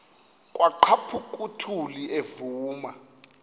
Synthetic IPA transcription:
kʼwʔaǃʰapʰukʼutʰuliʔevuːma

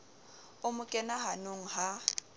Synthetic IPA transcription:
ʊmʊkʼɛnaɦanʊŋ̩ɦa

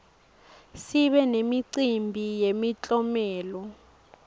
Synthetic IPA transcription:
siɓɛnemiǀimbʱijemit͡ɬʼɔmɛːlɔ

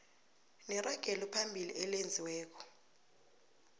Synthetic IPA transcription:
nɛraɡ̥ʱɛlɔpʰambʱilḭʔɛlend͡zʱiwɛːk̬ɔ̥

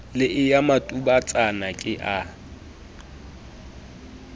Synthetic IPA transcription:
lɪʔɪjamatʼubat͡sʼanakʼɪʔa

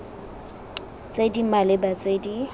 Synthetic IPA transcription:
t͡sʼedimalɪbat͡sʼedi

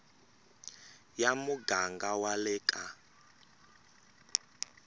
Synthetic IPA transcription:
jamuɡaŋɡawalɛkʼa

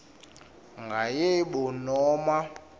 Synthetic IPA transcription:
ŋɡʱajɛɓɔnɔːma

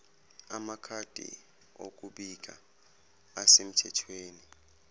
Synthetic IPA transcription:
amakʰad̥ʱḭ | o̰k̬uɓik̬a̰ | asem̩tʰɛtʰweːni

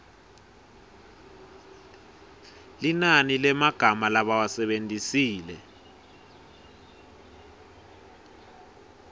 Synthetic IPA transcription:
linanilɛmaɡ̥ʱamalaɓawasɛɓentʼisiːlɛ

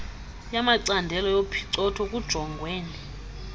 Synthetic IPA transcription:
jamaǀandʱɛlɔjopʰi̥ǀɔtʰɔkʼud̥ʒ̥ʱɔŋɡʱweːni

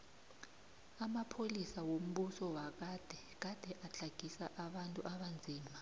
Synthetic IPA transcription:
amapʰolisawom̩ɓusɔwak̬ad̥ʱɛ | k̬ad̥ʱɛʔat͡ɬʰaɡ̥ʱisa̰ʔaɓantʼṵʔaɓand͡zʱiːma

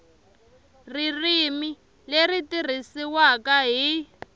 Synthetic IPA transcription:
ririmi | leritir̤isiwakaɦi

